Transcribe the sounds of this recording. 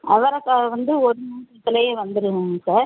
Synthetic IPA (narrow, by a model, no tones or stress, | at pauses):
ɐʋɐɾɐkːaːɣɐʋɐnd̪ɯɔɽɯmuːɯt̪ːɪlɐjɐʋɐnd̪ɯɾɯʋɯŋɯsaːɾ